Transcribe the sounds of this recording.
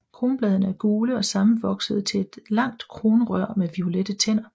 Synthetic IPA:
kʰʁo̝ːnb̥lɛːðˠɐnəæɐɡ̥uːləɒ̽sɑ̈m̩ʋɒ̽ɡ̥səð̞̩ˠt͡sʰe̝e̝d̥lɑ̈ŋ̰d̥kʰʁo̝ːnəʁɶɐ̰meʋio̝led̥ət͡sʰen̰ɐ

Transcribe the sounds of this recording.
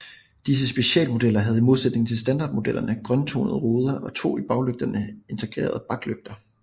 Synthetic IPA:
d̥is̬əsb̥e̝ɕɛ̰ːlmo̝d̥elɐɦæð̞ˠimo̝ð̞ˠsed̥ne̝ŋn̩t͡sʰe̝lsd̥ænd̥ɑ̈ːd̥mo̝d̥el̰ʔɐnəɡ̥ʁɶnt͡sʰo̝̰ːnəð̞̩ˠʁo̝ːð̞ˠɐʔɒ̽t͡sʰo̝̰ːib̥ɑ̈ʊløɡ̥̚d̥ɐnəe̝nt͡sʰe̝ɡ̥ʁḛːɐð̞ˠb̥ɑ̈ɡ̥løɡ̥̚d̥ɐ

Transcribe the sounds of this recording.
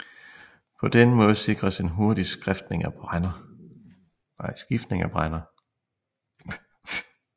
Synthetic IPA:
pʰɒ̽d̥enəmɔ̽ːð̞ˠse̝ɡ̥ʁɐse̝nɦo̝ɐd̥isɡ̥ʁafd̥ne̝ŋæb̥ʁanɐ | nɑɪsɡ̥ifd̥ne̝ŋæb̥ʁanɐ

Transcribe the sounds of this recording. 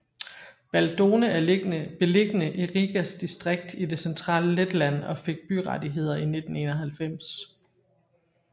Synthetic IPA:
b̥æld̥o̝ːnəæɐɡb̥e̝le̝ɡ̥ənəʔiʁiɡ̥æsd̥isd̥ʁeɡ̥̚d̥id̥e̝sent͡sʰʁɑ̰̈ːləled̥læn̰ɒ̽fe̝ɡ̥̚b̥yʁɑdiɦe̝ð̞̰ˠɐine̝d̥n̩e̝ːnɐɦælfem̰s

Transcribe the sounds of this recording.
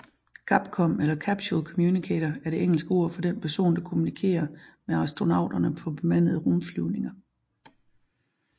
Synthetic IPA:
kʰɑ̈b̥̚kʰɒ̽melɐkʰæb̥ɕulkʰɔ̽mjunikʰḛɾ̥ɐæɐɾ̥e̝ʔeŋ̰l̩sɡ̥əo̝ɐ̰fɒ̽d̥enpʰæɐso̝̰ːnd̥ɑ̈kʰo̝munikʰe̝̰ːɐmeɑ̈ʁisd̥ʁo̝nɑ̈ʊd̥ɐnəpʰɒ̽b̥e̝mæn̰ð̩ˠəʁomflyʊne̝ŋɐ

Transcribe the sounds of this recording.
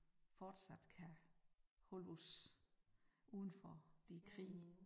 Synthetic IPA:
fɒːd̥sæd̥kʰæ | holus | ʔuːðˠn̩fɒd̥ikʰʁḭː

